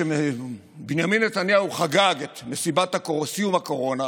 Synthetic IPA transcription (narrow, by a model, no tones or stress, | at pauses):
ee | binjaminːet̪anjauχaɡaɡet̪mesibathakosijumako̞ʁo̞na